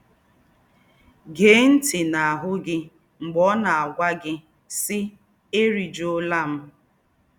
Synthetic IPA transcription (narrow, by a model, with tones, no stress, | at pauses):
ɡeː˨˦n̩˦tɪ˨na˨a˨ɦʊ˦ɡɪ˦ | ŋ͡m̩˨ɡ͡bɔ˦na˨a˨ɡʷa˦ɡɪ˦ | sɪ˦ | e˦ɾi˨d͡ʒo˦la˦m̩˦